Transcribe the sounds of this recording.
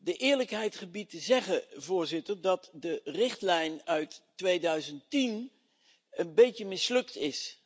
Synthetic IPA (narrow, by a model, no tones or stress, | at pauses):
dəʔɪːɹləkɦɛjtχəbitəzɛχəvʊːɹzɪtəɹdɑtdərɪχtlɛjnœɥttʋejdœɥzəntin | ənbejtəmɪslɵktɪs